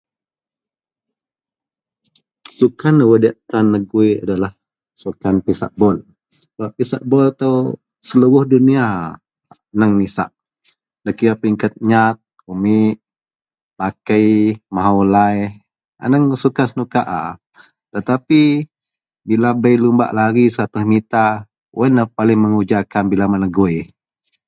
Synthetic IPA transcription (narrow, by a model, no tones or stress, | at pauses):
sukanːəwədaʔt̪anːəɡuia̰dalah | sukanpisa̰ʔbɔl | baʔpisa̰ʔbɔlt̪aw | səluwʊhdunia | nəŋnisa̰ʔ | dəkiapiŋkət̪̚ɲat̪̚ | umɪʔ | lakəjmaɦawlaj | a̰nəŋsukansənukaʔa | t̪ət̪api | bilabəjlumba̰ʔlaɡisəɾat̪ʊhmit̪a | wʔənəpalɪŋməŋud͡ʒakanbilamanaɡoj